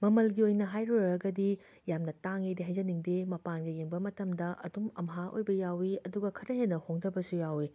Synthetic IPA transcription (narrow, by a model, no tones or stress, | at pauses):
mɐmɐlɡiojnɐɦajɾoɾɾɐɡɐdi | jamnɐtaŋidiɦɐjzɐniŋdemɐpanɡɐjeŋbɐmɐtɐmdɐʔɐdumɐ̰mɦaʔo̰jbɐjawiɐduɡɐkʰɐɾɐɦenːɐhoŋdɐbɐsujawi